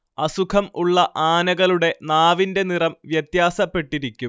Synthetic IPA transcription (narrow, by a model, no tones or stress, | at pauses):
ɐsukʰɐmuɭːɐʔaːnɐɣɐɭuɽe̞naːʋinde̞nirɐmʋjɐt̪jaːsɐpːe̞ʈːiɾikʲːum